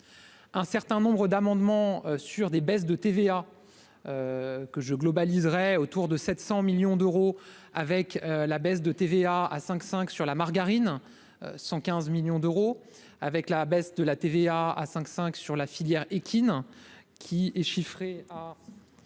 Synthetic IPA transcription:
ɛ̃sɛʁt̪ɛ̃nɔ̃bʁəd̪amɑ̃d̪mɑ̃syʁd̪ebɛsd̪ət̪evea | økəʒəɡlɔbalizʁɛot̪uʁd̪əsɛt̪sɑ̃miljɔ̃d̪øʁo | avɛkølabɛs̬d̪ət̪eveaa̰sɛ̃ksɛ̃ksyʁlamaʁɡaʁin | ø̰sɑ̃kʲɛ̃zmiljɔ̃d̪øʁo | avɛklabɛsd̪əlat̪eveaa̰sɛ̃ksɛ̃ksyʁlafiljɛʁekʲʰinkʲʰiɛʃifχea

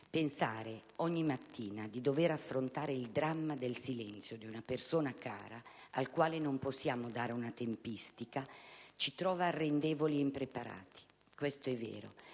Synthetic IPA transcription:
pensaːɾeɔɲːimat̪ːiːnad̪id̪oveɾafːɾont̪aːɾeild̪ɾamːad̪elsilɛnt̪sjod̪iunapersoːnaka̰ːɾaalkwaːlenomposːjaːmod̪aːɾeunat̪empist̪ikat͡ʃit̪ɾɔːvarːend̪ɛːvoliɛimpɾepaɾa̰ːt̪i̥ | kwest̪oɛvːɛ̰ːɾo̰

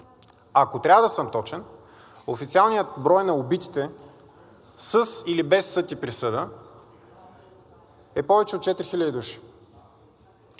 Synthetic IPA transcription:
akot̪ɾʲavəd̪ɐsəmt̪ɔt͡ʃɛn | ofit̪sialˠnijət̪̚bɾɔjnɐobit̪i̥t̪ɛ | səsilibɛsːɤt̪ipɾisɤd̪ə | ɛpɔvɛt͡ʃɛot̪̚t͡ʃɛt̪ɾixilʲəd̪id̪uʃi̥

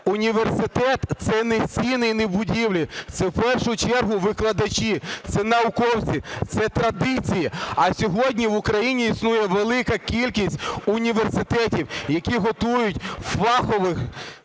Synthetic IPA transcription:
ʊnʲiʋersɪt̪ɛt̪sɛnesʲinɪjnebʊdʲiwlʲit̪sɛwpɛrʃʊt͡ʃɛrɦʊʋɪklˠɐd̪ɐt͡ʃit̪sɛnɐʊkɔwt͡sʲit̪sɛt̪ɾɐd̪ɪt͡sʲijiɐsʲɔɦɔdʲnʲiʋʊkɾɐjinʲiːsnujɛʋelˠɪkɐkʲilʲkʲisʲt̚ʲʊnʲiʋersɪt̪ɛtʲiwjɐkʲiɦɔt̪ujʊtʲfɑxɔʋɪx

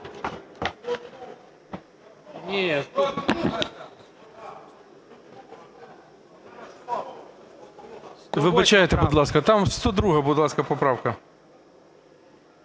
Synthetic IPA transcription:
nʲe | ʋɪbɐt͡ʃajɛt̪ɛbʊd̪lˠɑskɐt̪amst̪ɔd̪ɾuɦɐbʊd̪lˠɑskɐpɔpɾɑwkɐ

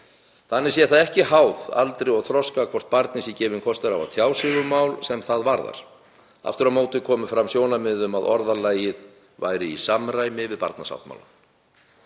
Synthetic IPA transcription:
θanːɪɾsɛθaðɛhcɪɦaːwða̰lt̪ɾɪɔɣθʰɾɔskakʰvɔr̥t̪̚paɾt̪nɪsicɛːvʏnkʰɔst̪ʏɾava̰t̪ʰjaːwsɪɣʏɾmawlsɛmθaðvaɾða̰ɾ̥ | a̰ft̪ʏɾaðmoːwt̪ɪkʰɔːmʏfɾamsjoːwnamɪðʏmaðɔ̰ɾðalaːjɪð | va̰ːjɾɪisamraːjmɪvɪðpa̰ɾt̪na̰sa̰wht̪ma̰wlan

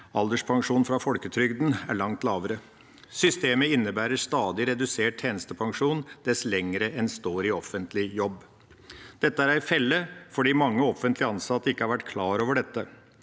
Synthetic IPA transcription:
ɑld̪əʂpʰɑŋʂuːnfɾɑfɔlkət̪ʰɾʏɡd̪n̩æɭɑŋt̪lɑːʋəɾə | sʏst̪eːməɪnːəbæːɾəst̪ɑːd̪ɪɾɛd̪ʉseːʈ̚t̪ʰeːnəst̪əpʰɑŋʂuːnd̪̥ɛslɛŋːɾəʔɛnst̪oːɾɪɔfənt̪lɪjɔbː | d̪̥ɛt̪ːəæɾæɪfɛlːəfɔɖiːmɑŋːəɔfənt̪lɪɑnsɑt̪ːəɪkːəhɑɾʋæʈːkʰlɑːɾoːʋəɖɛt̪ːə

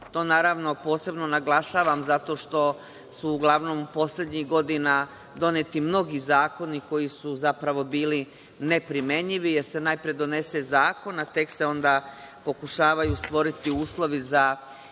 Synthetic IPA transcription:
t̪o̞ːnaːɾaʋno̞po̞ːse̞bno̞naɡlˠaʃaːʋamzat̪o̞ːʃt̪o̞ | suːɡlˠaʋno̞mupo̞sʎe̞d̪ɲiɣɡo̞d̪ina | d̪o̞net̪imno̞ɡizaːko̞niko̞jisuzapɾaʋo̞biːli | ne̞pɾime̞ɲiʋije̞ɾse̞najpɾije̞d̪o̞ne̞sezaːko̞nat̪e̞kseo̞nd̪a | po̞kuʃaːʋajust̪ʋo̞ɾit̪iuːslˠo̞ʋiza

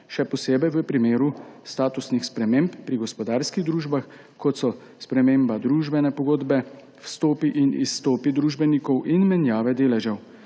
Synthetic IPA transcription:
ʃɛpɔseːbɛjʋəpɾimeːɾust̪aːt̪usnixspɾɛmeːmpːɾiɡɔspɔd̪aːɾskiɣd̪ɾuːʒbax | kɔt̪sɔ | spɾɛmeːmbad̪ɾuːʒbɛnɛpɔɡoːd̪bɛ | wst̪oːpiʔinisːt̪oːpid̪ɾuːʒbɛnikɔwʔinmɛnjaːʋɛd̪eːlɛʒɛw

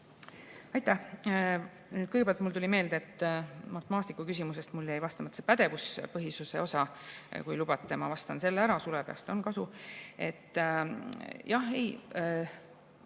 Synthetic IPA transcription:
ɑjt̪ːˑæh | nyːd̪̥kɯjɡbæɑlt̪ˑmult̪ulʲime̞ːld̪eet̪ˑːmɑt̪emɑːst̪ikːˑukys̬ʲimuse̞st̪mulːejvɑst̪ɑmɑt̪ːse̥pæd̪̥e̞vuspɤɦisuse̞o̞sɑkujlub̥ɑt̪ˑːemɑvɑst̪ɑnse̞lːæɾɑsulepe̞ɑ̰st̪o̞nkɑsue̞̰t̪ːˑ | jɑhej

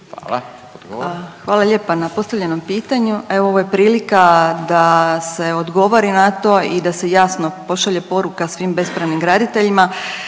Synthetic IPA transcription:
xʋaːlaʎe̞ːpanapo̞st̪aʋʎʲe̞no̞mpiːt̪aɲue̞ʋooʋoje̞pɾiːlikad̪ase̞o̞d̪ɡo̞ʋoɾinat̪o̞id̪ase̞jaːsno̞po̞ʃaʎe̞po̞ɾukasʋiːmbe̞spɾaʋnimɡɾaːd̪it̪e̞ʎima

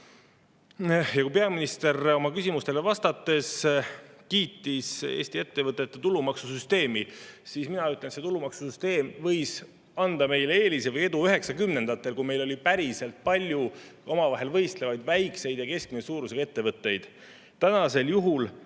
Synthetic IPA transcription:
jɑkujpe̞ɑminist̪e̞ro̞mɑkysʲimust̪e̞levɑst̪ɑt̪ːˑe̞s | kiːt̪ːˑisḛːsʲt̪ie̞t̪ːe̞vɤt̪ːˑet̪ːˑet̪ulumɑksusyst̪e̞ːmisisminɑyt̪le̞nse̞t̪ulumɑksusyst̪e̞ːmvɤ̞js | ɑnd̪̥ɑme̞jleeːlisevɤje̞d̪uyɦe̞ksɑkymne̞nd̪ɑt̪ˑːe̞lkujme̞jlo̞lʲipæɾise̞lt̪̚pɑlʲjuo̞mɑvɑɦe̞lvɤ̞jst̪levɑjd̪̥væjkse̞jd̪̥jɑke̞sk̚minesuːɾuse̥ɑe̞t̪ːe̞vɤt̪ːe̞jd̪̥ | t̪ænɑse̞ljuɦul

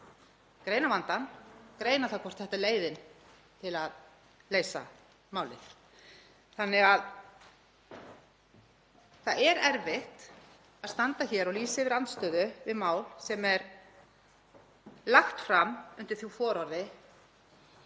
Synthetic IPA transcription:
kɾeːjnavant̪ankɾeːjnaθawkʰɔrt̪θɛht̪aleːjðɪn | t̪ʰɪlað | leːjsa̰ | maːwlɪ̰θ | θanːɪɣað | θaðɛɾɛɾvɪht̪ | aðst̪ant̪açɛɾɔliːsɪvɪɾant̪st̪œːðʏvɪðmaːwlsɛmɛɾ | laxt̪fɾamʏnt̪ɪɾ̥θjufɔːɾɔɾðɪ

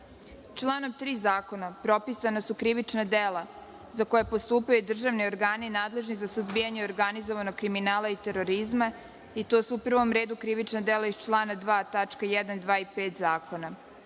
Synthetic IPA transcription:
t͡ʃlˠaːnoʋt̪ɾiːzaːko̞napɾo̞pisanasukɾiʋit͡ʃnad̪eːla | zako̞jepost̪uːpajud̪r̩ʒaʋnio̞ɾɡaːninaːd̪le̞ʒnizasuzbijaɲeoɾɡanizoʋanoɡ̚kɾiminaːlˠait̪eɾo̞ɾizma | it̪oːsuupr̩ʋo̞mɾeːd̪ukɾiʋit͡ʃnad̪elaist͡ʃlˠaːnad̪ʋaːt̪at͡ʃkajɛd̪and̪ʋaːipeːt̪zaːko̞na

